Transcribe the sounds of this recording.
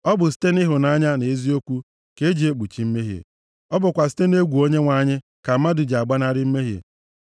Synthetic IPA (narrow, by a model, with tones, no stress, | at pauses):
ɔ˦bʊ˨s̬i̥˦te˦nɪ˦ɦʊ˨na˦ɲa˦ne˨e˦zi˦o˦kʷu˦ | ke˦d͡ʒi˨e˦k͡pu˨t͡ʃi˦m̩˦me˦ɦjḛ˨ | ɔ˦bʊ˨kʷa˨s̬i̥˦te˦ne˦ɡʷu˨o˦ɲe˦ŋʷa˦ɲɪ˦ | ka˨m̩˦ma˦du˨d͡ʒa˨ɡ͡ba˦na˦ɾɪ˦m̩˦me˦ɦjḛ˨